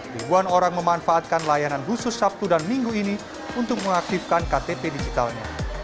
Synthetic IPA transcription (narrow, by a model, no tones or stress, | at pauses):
ɾibuanoɾaŋməmanfaːt̪̚kanlajananɦusʊsːap̚t̪udanmiŋɡuini | unt̪ʊk̚məŋak̚t̪ifkankat̪epedid͡ʒit̪alɲa̰